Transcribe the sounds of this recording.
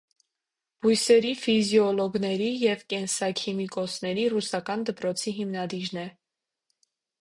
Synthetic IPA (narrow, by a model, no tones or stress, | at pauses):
b̥ujsɛɾifizjɔlɔɡnɛɾijɛvkɛnsɑkʰimikɔsnɛɾirusɑkɑnd̪əpɾɔt͡sʰiɦimnɑd̪iɾnɛ